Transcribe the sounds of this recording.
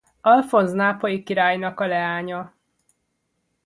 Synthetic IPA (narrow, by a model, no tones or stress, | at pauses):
ɒlfo̞nznaːpojikiɾaːjnɒkɒlɛaːɲɒ